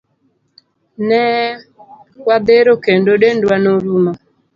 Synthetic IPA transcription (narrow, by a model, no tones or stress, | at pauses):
nɛ | kwabɛɾɔkɛndɔɗɛndwanoɾuma